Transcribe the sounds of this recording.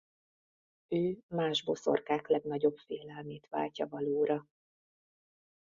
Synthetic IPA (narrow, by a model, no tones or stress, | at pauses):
øːmaːʒbo̞̰so̞̰rkaːklɛɡnɒɟo̞bfeːlɛlmeːt̪ʋa̰ːlcɒvɒloːɾɒ